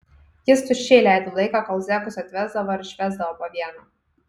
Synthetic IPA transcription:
jɪst̪ʊʃʲeːlʲæˑɪd̪olˠɐɪkɑkɐlˠzʲæːkʊsʲɐt̪ʲʋʲæːzd̪ɐʋoːɪɾɪʃʲʋʲæːzd̪ɐʋoːpoːʋʲiɛnoː

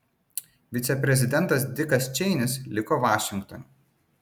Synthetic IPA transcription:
ʋʲɪt̪sʲɛpʲɾʲɛzʲɪd̪ʲɛnˑt̪ɐs̬d̪ʲɪkɐst͡ʃʲɛɪnʲɪslʲɪkoːʋɑːʃʲɪŋkt̪ɔnʲ

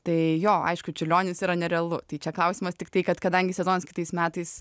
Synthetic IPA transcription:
t̪ɐɪjoːɐ̰ɪʃkʊt͡ʃʲɪlʲoːnʲɪsiːɾɐnʲɛɾʲɛɐlˠʊtt̪ɐɪt͡ʃʲɛklˠɐʊsʲiːmɐst̪ʲɪk̚t̪ɐɪkɐt̪kɐd̪ɐŋʲɡʲɪsʲɛzoːnɐskʲɪ̥t̪ɐɪsmʲæːt̪ɐɪs

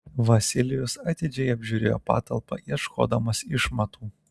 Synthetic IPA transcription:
ʋɐsʲɪlʲɪjʊsɐt̪ʲɪd͡ʒʲɛɪɐbʲʒʲuːɾʲeːjo̰ːpɑ̰ːt̪ɐlˠpɐ̰iɛʃkʰo̰ːd̪ɐmɐsɪʃmɐt̪uː

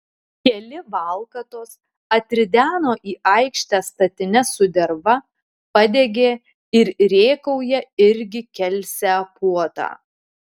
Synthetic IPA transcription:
kʲɛlʲɪʋɑˑlˠkɐt̪oːs | ɐt̪ʲɾʲɪd̪ʲæːnoːʔiːʔɐɪkʃʲt̪ʲæːst̪ɐt̪ʲɪnʲɛsʊd̪ʲɛɾʋɐ | pɐd̪ʲeɡʲeː | ɪɾɾʲeːkɐʊjɛɪɾʲɡʲɪkʲɛlʲsʲæːpuɔt̪ɑ̰ː

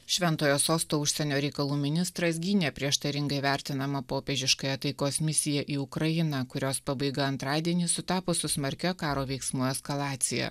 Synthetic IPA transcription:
ʃʲʋʲɛnt̪oːjoːsoːst̪oːʊʃʲsʲɛnʲoːɾʲɛɪkɐlˠuːmʲɪnʲɪst̪ɾɐsɡʲiːnʲepʲɾʲiɛʃt̪ɐɾʲɪŋɡɐɪʋʲæˑɾʲt̪ʲɪnɐmɐpoːpʲeːʒʲɪʃkɐjɛt̪ɐɪkoːsmʲɪsʲɪjɛʔiːʊkɾɐjɪnɐkʊɾʲoːspɑbɐɪɡɐɐnt̪ɾɑːd̪ʲiɛnʲiːsʊt̪ɑːpoːsʊsmɐɾʲkʲɛkɑːɾoːʋʲɛɪksmʊɛskɐlˠɑːt̪sʲɪjɛ̰

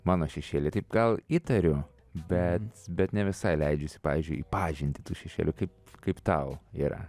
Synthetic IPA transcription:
mɑːnoːʃʲɛʃʲeːlʲɪt̪ɐɪp̚ɡɐlˠiːt̪ɐɾʲʊ | bʲɛt̪bʲɛt̪nʲɛʋʲɪsɐɪlʲɛɪd͡ʒʲʊsʲɪ̥pɑ̰ːʋʲiːzʲd͡ʒʊɪiːpɑːʒʲɪnʲt̪ʲɪt̪uːʃʲɛʃʲḛːlʲʊkɐɪpkɐɪpt̪ɐʊḭːɾɐ̰

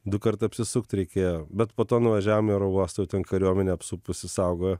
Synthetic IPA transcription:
d̪ʊkɐɾt̪ɐɐpʲsʲɪsʊkt̪ʲɾʲɛɪkʲeːjobʲɛt̪poːt̪oːnʊʋɐʒʲæːʋomiɾoʋuɔst̪ɐjɛʊt̪ʲɛnkɐɾʲuɔmʲɛnʲeɐpsupʊsʲɪsɐʊɡoːjɛ

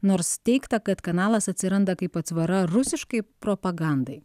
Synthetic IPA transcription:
noːɾst̪ʲɛɪkt̪ɐkɐt̪kɐnɑːlˠɐsɐt̪ʲsʲɪɾɐnd̪ɐkɐɪpɐt̪sʋɐɾɐɾʊsʲɪʃkɐɪpɾoːpɐɡɑnd̪ɐɪ

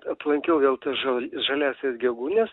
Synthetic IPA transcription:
ɐplˠɐŋʲkʲɛʊʋʲeːlˠt̪ɐsʒɐʒɐlʲæːsʲeːsɡʲɛɡuːnʲeːs

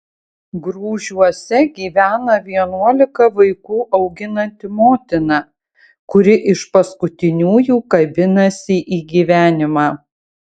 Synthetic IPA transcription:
ɡɾuːʒʲuɔsʲɛɡʲiːʋʲæːnɐʋʲiɛnuɔlʲɪkɐʋɐɪkuːʔɒʊɡʲɪnɐnʲt̪ʲɪmoːt̪ʲɪnɐ | kʊɾʲɪʔɪʃpɐskʊt̪ʲɪnʲuːjuːkɐbʲɪnɐsʲɪʔiːɡʲiːʋʲæːnʲɪmɑː

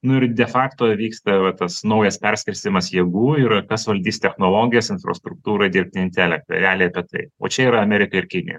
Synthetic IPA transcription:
nʊɪɾd̪ʲɛfɑːkt̪oːʋʲiːkst̪ɐʋɐt̪ɐsnɐʊjɛspʲɛɾʲsʲkʲɪlʲsʲt̪ʲɪmɐsjeːɡuːɪɾkɐsʋɐlʲd̪ʲiːst̪ʲɛxnoːlˠoːɡʲɪjɛsɪnfɾɐ̰st̪ɾʊk̚t̪uːɾɐd̪ʲɪɾʲp̚ʲt̪ʲɪɪnʲt̪ʲɛlʲɛk̚t̪ɐ̰ɾʲɛɑːlʲɪjɐpʲiɛt̪ɐɪo̰ːt͡ʃʲɛiːɾɐɐmʲɛːɾʲɪkɐɪɾkʲɪnʲɪ̰jo̰

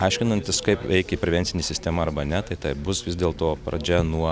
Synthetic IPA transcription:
ɐɪʃʲkʲɪnɐnʲt̪ʲɪskɐɪpʲɛɪkʲɛipʲɾʲɛʋʲɛnʲsʲɪnʲesʲɪsʲt̪ʲeːmɐɐrbɐnʲɛt̪ɐɪt̪ɐɪbʊsʋʲɪzd̪ʲeːlˠt̪oːpɾɐ̰d͡ʒʲɛnuɔ

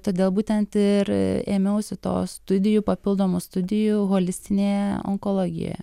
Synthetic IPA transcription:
t̪oːd̪ʲeːlˠbuːt̪ʲɛnt̪ɪɾḛːmʲɛʊsʲɪt̪o̰ːst̪ʊd̪ʲɪjuːpɐpʲɪlˠd̪oːmʊst̪ʊd̪ʲɪjuɣoːlʲɪsʲt̪ʲɪnʲeːɔ̰ŋkoːlˠoːɡʲɪ̰jo̰jɛ̰

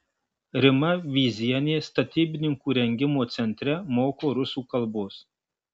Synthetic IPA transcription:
ɾʲɪmɐʋʲiːzʲiɛnʲeːst̪ɐt̪ʲiːbʲɪnʲɪŋkuːɾʲɛŋʲɡʲɪmoːt̪sʲɛnʲt̪ʲɾʲɛmoːkoːɾʊsuːkɐlˠboːs

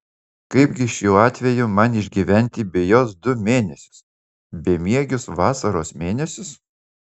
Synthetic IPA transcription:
kɐɪbɡʲɪɪʃjuːɑːt̪ʲʋʲɛjʊmɐnɪʒʲɡʲiʋʲɛnʲt̪ʲɪbʲɪjoːsd̪ʊmʲeːnʲɛsʲʊ̥s | bʲemʲiɛɡʲʊsʋɑːsɐɾoːsmʲeːnʲɛsʲʊs

